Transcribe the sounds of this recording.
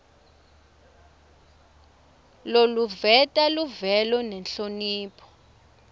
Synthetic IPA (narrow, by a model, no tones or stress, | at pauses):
loluvɛtʼaluvɛlɔnɛnɬoniːpʰɔ̥